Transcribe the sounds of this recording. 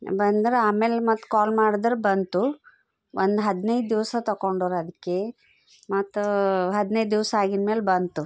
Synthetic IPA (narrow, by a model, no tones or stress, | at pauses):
bɐnd̪ɾeaːmeːlmɐt̪ːkaːlmaːɽid̪ɾebɐnt̪u | ʋʔond̪ɦɐd̪nɐj̪d̪iʋsɐt̪ɐkoɳɖoːɾɐd̪ikːe | mɐt̪ːuɦɐd̪nɐjd̪d̪iʋsɐaːɡinmeːlbɐnt̪u